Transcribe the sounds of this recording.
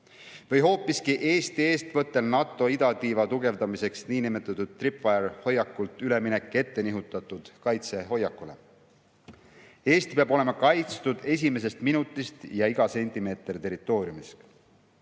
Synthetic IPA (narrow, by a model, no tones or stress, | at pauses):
vɤjɦo̞ːpːˑiskiʔe̞ːst̪ie̞ːst̪vɤt̪ːˑe̞lnɑt̪ːˑo̞id̪ɑt̪iːvɑt̪uɡe̞vd̪ɑmise̞ksniːnimet̪ːˑɑt̪ud̪̥̚t̪ripɑjɑɾho̞jːɑkːult̪ˑyle̞minekːˑe̞t̪ːe̞niɦut̪ːˑɑt̪ːud̪̥kɑjt̪se̞ɦo̞jːɑkːˑule̞̰ | e̞ːst̪i̥peɑb̥o̞le̞mɑkɑjt̪st̪ud̪̥e̞s̬ʲime̞s̬e̞st̪minut̪ːˑist̪jɑiɡ̥ɑse̞nʲt̪ime̞ːt̪ˑrit̪e̞ɾit̪ːˑo̞ːɾiumis